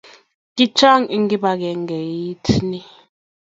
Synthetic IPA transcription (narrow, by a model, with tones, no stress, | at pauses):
ki˦t͡ʃʰa˦ŋi˦ŋɡi˦ɓa˨k̬ɛ˨ŋɡɛ˨ji˦tʰni˦